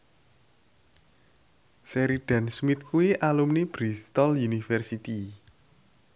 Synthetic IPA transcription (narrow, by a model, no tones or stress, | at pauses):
seɾiɖ̥ɛ̤nsmit̪̚kuiʔalumnib̥ɾist̪ɔljunifɛrsit̪i